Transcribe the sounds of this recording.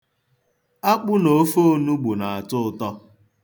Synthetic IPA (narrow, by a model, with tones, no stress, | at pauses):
a˦k͡pʊ˦no˨˦fo˦˨nu˦ɡ͡bu˨na˨a˨tʊ˦˨tɔ˦